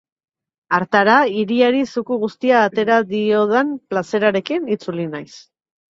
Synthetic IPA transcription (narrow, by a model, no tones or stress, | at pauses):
aɾt̪aɾaiɾiaɾisukuɣust̪iaːt̪e̞ɾaðio̞ð̞emplase̞ɾaɾe̞kinit͡sulinajs